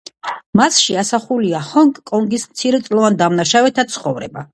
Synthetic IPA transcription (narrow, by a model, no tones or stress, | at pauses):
masʃiasaχuliaχɔŋkʼkʼɔŋɡismt̪sʰiɾɛt̪sʼlˠɔvand̪amnaʃavɛt̪ʰat̪sʰχɔvɾɛ̰ba